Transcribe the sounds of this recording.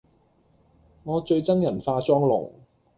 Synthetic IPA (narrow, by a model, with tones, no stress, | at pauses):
ŋɔː˨˧t͡ʃɵ˧ɥt͡sɐ˥ŋjɐ˨˩nfaː˧t͡sɔː˥ŋlʊ̰˨˩ŋ